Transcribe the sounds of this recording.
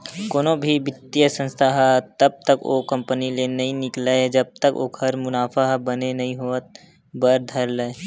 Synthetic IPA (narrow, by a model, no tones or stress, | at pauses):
koːnõbʱibɪt̪ːijəsə̃nst̪ʰaɦət̪ɐb̚t̪əkoːkɐ̃mpənilenɐɦĩnɪklaed͡ʒɐb̚t̪əko̰ːkɦɐɾmʊnaːfaɦbɐnenɐɦĩɦoːət̪̚ | bəɾd̪ʱɐɾləe